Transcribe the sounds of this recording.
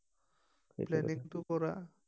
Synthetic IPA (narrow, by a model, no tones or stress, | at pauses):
plɛniŋt̪ukɔɾa